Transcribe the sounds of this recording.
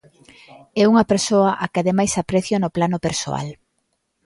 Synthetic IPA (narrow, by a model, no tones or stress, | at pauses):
ɛuŋɐpeɾsoɐʔakɪaðemajsapɾɛθjonoplanʊpeɾso̰a̰l